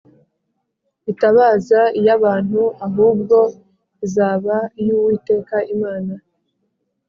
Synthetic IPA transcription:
itaβaːzaijaβaːn̥huaɦuːb̚ɡo̞ | izaːβaijuwiːte̞ːkaʔimaːna

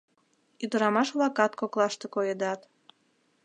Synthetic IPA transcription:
yd̪ə̆ɾɑmɑʃβlɑkɑt̪koklˠɑʃt̪ĕkojed̪ɑt̪

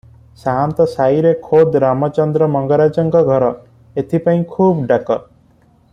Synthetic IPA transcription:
saɦnt̪ɔsajɾekʰod̪ɾamɔt͡ʃɔnd̪ɾɔmɔŋɡɔɾad͡ʒɔŋkɔɡʱɔɾɔ | et̪ʰipaĩkʰubɖakɔ

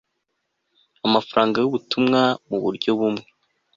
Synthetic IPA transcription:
amafaɾaːŋɡajoβutumŋamuβṵɾɟo̞βumŋe

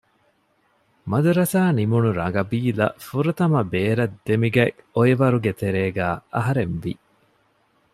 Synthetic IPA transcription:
mɐd̪uɾɐsaːnimunuɾɐŋɡɐbiːlɐ̰fuɾɐt̪ɐmɐbeːɾɐd̪ːemiɡɐoiʋɐɾuɡet̪eɾeːɡæːɐɦɐɾenʋi

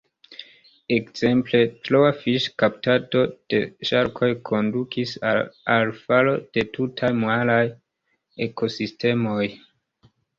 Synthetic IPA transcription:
e̞kz̥e̞mple̞tɾowafiʃkaptato̞d̥e̞ʃaɾkʰo̞jkʰo̞ndukʰisalfalo̞d̥e̞tutʰajmalaj | eko̞siste̞mo̞j

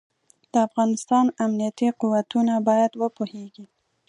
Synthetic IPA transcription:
d̪̥əafɣɑnɪst̪ɑnamnijat̪iquwat̪unabɑjad̪wəpoheɡi

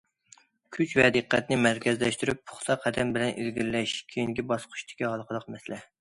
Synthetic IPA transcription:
kʲʰyt͡ʃvɛd̪əqːɛt̪nɪmæɾkʲʰɛzlɛʃt̪yɾypːʰʊ̥χt̪ʰɑqʰːæd̪ɛmbɪlɛnʔḭlɡʲilːɛʃkʲʰejinɡʲibɑsqʰʊ̥ʃt̪ʰɪ̥kʲihɑlˠqʰəlˠəqmɛsɪlɛ

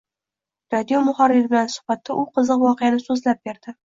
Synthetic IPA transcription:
ɾad̪ijomʊhɒɾɪɾɪbɪlansʊ̥χbat̪ʰːaʔʊqʰɨzɨqvɒqejanɪsɵzlap̚beɾd̪̥ɪ

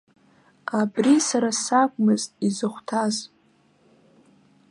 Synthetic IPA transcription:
abrisaɾasakʷʼmɨztʼizɨχʷtʰaz

